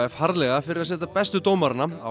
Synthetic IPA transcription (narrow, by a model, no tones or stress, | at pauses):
ɛhaɾlɛɣafɪɾɪɾasɛːt̪apɛst̪ʏt̪oːwmaɾnaa̰